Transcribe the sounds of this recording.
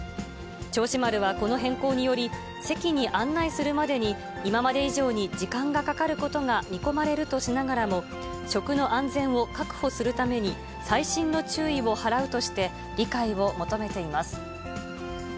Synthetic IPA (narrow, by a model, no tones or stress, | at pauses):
t͡ɕo̞ːɕimaɾɯ̟βako̞no̞ɦẽ̞ŋko̞ːɲ̟ijo̞ɾʲi | se̞kʲiɲ̟iʔãnːaisɨɾɯ̟mad̪e̞ɲ̟iː | mamad̪e̞iʑo̞ːɲ̟id͡ʑikãŋɡakakaɾɯ̟ko̞t̪o̞ŋamʲiko̞maɾe̞ɾɯ̟t̪o̞ɕinaɡaɾamo̞ | ɕo̞kɯ̟no̞ʔãnd͡zẽ̞ɰ̃o̞kakɯ̟̥ho̞sɨɾɯ̟t̪ame̞ɲ̟i | saiɕĩnːo̞t͡ɕɨːiβo̞haɾaɯ̟t̪o̞ɕi̥t̪e̞ | ɾʲikaiβo̞mo̞t̪o̞me̞t̪e̞imasɨ̥